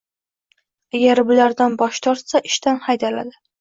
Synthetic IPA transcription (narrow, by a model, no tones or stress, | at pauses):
aɡʲaɾbʊlaɾd̪anbɒʃt̪ʰɒɾt̪saʔɪʃt̪anhajd̪ala̰d̪ɪ